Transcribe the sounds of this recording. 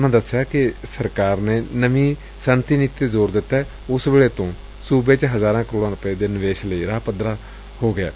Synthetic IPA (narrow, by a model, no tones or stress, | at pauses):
ʊnãːd̪əsːjaːkɪsəɾkaːɾneːnəʋĩː | sənt̪iːnɪt̪ːeːzoːɾd̪ɪt̪ːɛː | ʊsʋeːɭeːt̪õː | suːbeːt͡ʃɦəzaːɾãːkɾoːɽãːɾʊpeːd̪eːnɪʋeːʃləiːɾaːpəd̪ɾaː | hoːɡɪa̰ː